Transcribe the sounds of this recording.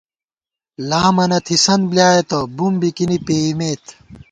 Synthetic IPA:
laːmɐnɐt̪ʰisɐnbljaːjet̪obumbikinipeːimeːt̪ʰ

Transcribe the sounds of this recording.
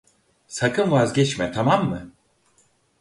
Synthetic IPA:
sakʰɯnvazɟɛt͡ʃmɛt̪ʰamamːɯ

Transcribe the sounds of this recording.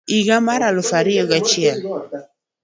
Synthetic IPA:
iɡamaɾalʊfaɾiɔɡat͡ʃia

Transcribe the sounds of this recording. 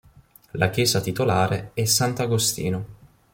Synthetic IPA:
lak̟jɛːzat̪it̪olaːɾeɛsːant̪aɡost̪ḭːno

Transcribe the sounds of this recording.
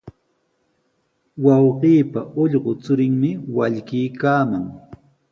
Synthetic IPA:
wɑwɢiːpaʔoʎɢʊt͡sʊɾɪŋmɪwaʎkiːkaːmaŋ

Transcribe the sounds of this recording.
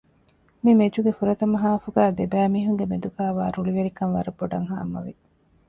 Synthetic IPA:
mimed͡ʒuɡefuɾɐt̪ɐmɐɦaːfuɡæːd̪ebæːmiːɦuŋɡemed̪ukaːʋaːɾuɭiʋeɾikɐnʋɐ̰ɾuboɖɐŋɦa̰ːmɐ̰ʋi

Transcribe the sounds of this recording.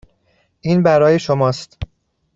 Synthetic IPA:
ʔiːnbæɾɒːje̞ʃomɒːst̪

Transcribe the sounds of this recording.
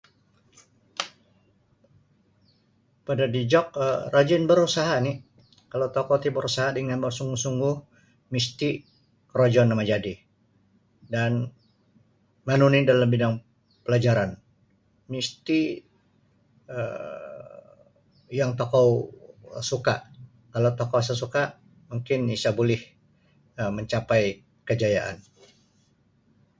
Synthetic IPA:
padadid͡ʒɔk̚ərad͡ʒɪnbəɾusaɦani | kalawt̪ɔkɔt̪ibəɾusaɦadəŋanbərsuŋɡuhsuŋɡʊh | mist̪i | kəɾod͡ʒɔnamad͡ʒadi | dan | manunidalambidaŋ | pəlad͡ʒaɾan | mist̪i | ə | jaŋt̪okaw | suka̰ʔ | kalawt̪okows̬as̬ukaʔ | muŋkɪnisabolɪh | əməɲt͡ʃapaj | kəd͡ʒajaʔa̰n

